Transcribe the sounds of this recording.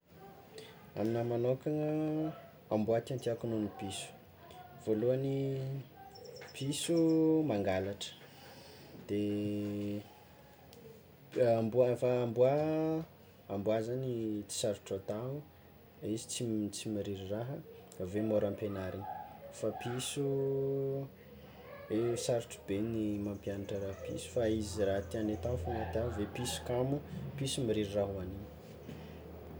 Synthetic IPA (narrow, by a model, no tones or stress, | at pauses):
a̰minamanokʲaŋə | ambuat̪ant̪iakununipisu̥ | v̥oluani | pʰisumaŋɡalaʈ͡ʂə̥ | d̪̥e | ambufaːmbua | ambuazanit͡si̥saɾuʈ͡ʂat̪aɦu | izi̥t͡sit͡simiɾiɾiraɦəvemoɾampenaɾini̥fapisu | esaɾuʈ͡ʂu̥benimampianaʈ͡ʂəɾapḭsu̥faiziɾaɦt̪ianet̪afanat̪avepisu̥kamupisumiɾiɾiraɦuanini̥